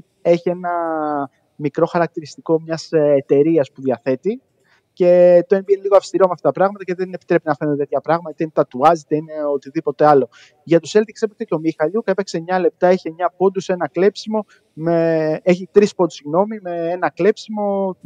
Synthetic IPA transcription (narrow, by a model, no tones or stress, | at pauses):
e̞çie̞nɐ | mikɾo̞xɐɾɐk̚t̪iɾist̪iko̞mɲɐset̪e̞ɾiɐspuðiɐθe̞t̪i | ce̞t̪oembʝeniliɣoɐfst̪iɾomeɐft̪ɐt̪ɐpɾɐɣmɐt̪ɐce̞ðenepi̥t̪ɾe̞pinɐfe̞nd̪t̪t̪çɐpɾɐɣmɐt̪ɐt̪et̪ɐt̪uɐzet̪eine̞ot̪iðipo̞t̪e̞ɐlo̞ | ʝɐt̪use̞lt̪iksepekseceomixɐʎucepeksemɲɐle̞p̚t̪ɐeçeɲɐpo̞d̪use̞nɐkle̞psimo̞ | meeçit̪ɾispo̞d̪usiɣno̞mime̞enɐkle̞psimo̞